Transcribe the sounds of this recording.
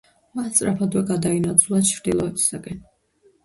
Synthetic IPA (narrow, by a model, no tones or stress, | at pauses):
mat̪sʼɾapʰad̪wɛɡad̪ainat̪sʰulˠat͡ʃʰɾd̪ilˠɔɛbi̥saɡɛn